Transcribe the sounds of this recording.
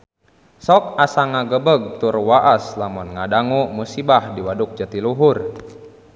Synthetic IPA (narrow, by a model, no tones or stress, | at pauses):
sɔk̚asaŋaɡəbəɡ̚t̪urwaʔaslamɔnŋadaŋumusibahdiwaduk̚d͡ʒət̪iluɦur